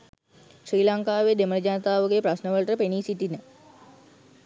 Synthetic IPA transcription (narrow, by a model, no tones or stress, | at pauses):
ɕɾiːlaŋkaːʋed̪eməɾd͡ʑanət̪aːʋəɡepɾɐsnəʋəɭʈɾəpeniːsitinə